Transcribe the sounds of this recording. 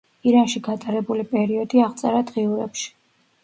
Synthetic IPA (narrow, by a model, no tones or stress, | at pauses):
iɾanʃiɡat̪ʼaɾɛbulipʼɛɾiɔd̪iaʁt̪sʼɛɾad̪ʁiuɾɛpʃi̥